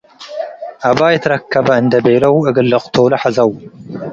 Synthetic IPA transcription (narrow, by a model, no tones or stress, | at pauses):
ʔaβajɛt̪ʰɐɾɐkʰːɐβɐɨnd̪ɐbejlɐwɨɡɨlːɐqʼt̪ʰowlɐħazɐw